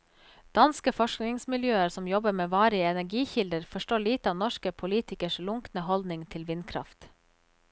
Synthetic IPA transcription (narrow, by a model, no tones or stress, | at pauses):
d̪̥ɑnskəfɔʃknɪŋsmɪljøːəɾsɔmjɔbəmeːʋɑːɾəɛnæɾɡiːçɪld̪əɾfɔʃʈoːliːt̪əɑʋnɔʃkəpʰʊliːt̪ɪkəʃlʊŋknəhɔld̪nɪŋt̪ʰɪlʋɪnkʰɾɑ̰ft̪